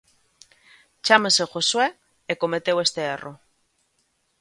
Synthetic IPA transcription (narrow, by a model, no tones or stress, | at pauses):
t͡ʃameseʝoswe | ekomet̪ewe̞st̪eero